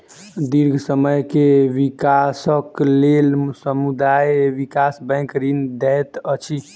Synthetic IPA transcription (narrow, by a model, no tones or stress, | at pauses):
d̪iɾɡʱsəməjkeʋikasəklelsəmud̪ajʋikasbɛ̃kɾind̪ɛjt̪ət͡ʃʰi